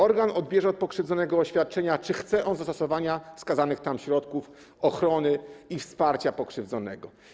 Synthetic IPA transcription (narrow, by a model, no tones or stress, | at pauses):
ɔɾɡanɔd̪bʲjɛʐɛɔt̪̚pɔkʂɘvd̪zɔnɛɡɔːɕfʲjat̪̚t͡ʂɛɲat͡ʂɘxt̪sɛʔɔnzast̪ɔsɔvaɲafskazanɘxt̪amɕɾɔt̪kuf | ɔxɾɔnɘifspaɾt͡ɕapɔkʂɘvd̪zɔnɛ̰ɡɔ